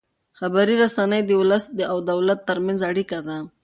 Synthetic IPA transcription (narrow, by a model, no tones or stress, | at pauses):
xabaɾiɾasanəjd̪əʊləsd̪əawd̪awlat̪ːəɾmanzaɽikad̪a